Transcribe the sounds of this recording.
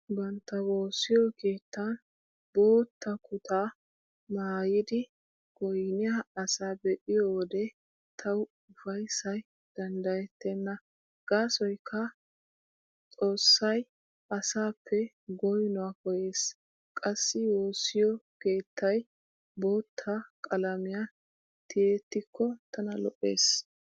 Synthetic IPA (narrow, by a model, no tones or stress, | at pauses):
bɐnt̪ːɐwo̞ːsːɪjɔke̞ːt̪ːɐn | boːt̪ːɐkʰʊt̪ʰaː | maːjɪd̪ɪ | ɡ̥ɔjnɪjaɐsaːbɛʔɪjɔwɔd̪ɛ | t̪ʰɐw | ʊfɐjsɐj | d̪̥ɐnd̪ɐjɛt̪ːɛnːɐ | ɡ̥aːsɔjkʰːɐ | t͡sʼo̞ːsːɐj | ʔɐsaːpʰːɛ | ɡɔjnʊwakɔje̞ːs | kʼɐsːɪwoːsːɪjɔke̞ːt̪ʰːɐj | bo̞ːt̪ʰːakʼɐlɐmɪja | t̪ɪjet̪ːɪkʰːɔt̪ɐnɐlɔʔːe̞̰ːs